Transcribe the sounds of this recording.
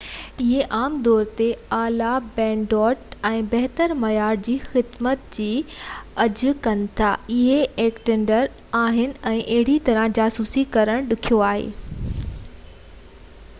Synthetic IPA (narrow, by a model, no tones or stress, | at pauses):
ɪɦeʔaːmd̪ɔːɾt̪eaːlabɛ̃ːɳɖɔːʈɛ̃ːbɛɦt̪əɾmɐjaːɾd͡ʑiːxɪd̪mət̪d͡ʑiːɐd͡ʑʊ̆kɐnɪ̆t̪ʰa̰ːɪɦeeːkʈɪ̃ɳɖəɾ | aːɦɪnɪ̆ɛ̃ːʔɐɦɪɽit̪ɐɾə̃d͡ʑaːsuːsikɐɾəɽ̃ɗʊkʰijoaːɦḛː